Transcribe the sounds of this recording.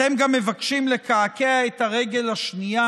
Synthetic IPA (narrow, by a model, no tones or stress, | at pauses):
emɡamːe̞vakʃimle̞kaakeaethaʁe̞ɡe̞lhaʃnija